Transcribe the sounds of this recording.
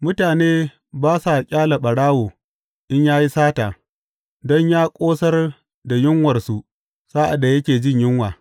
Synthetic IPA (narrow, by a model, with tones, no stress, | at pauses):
mʊ˦taː˨neː˦ | baː˦sa˨kʲʼaː˦la˨ɓɐ˨ɽaː˦woː˨ | ʔɪ˦ɲjaː˦ji˦saː˦taː˨ | dɔ˦ɲjaː˦kʷʼoː˦sɐ˦r | da˨jɪ˦ŋwɐ˨rsu˦ | saː˦ʔa̰˨dːa˨jɐ˦kʲeː˨d͡ʒɪ˦ɲjɪ˦ŋwaː˨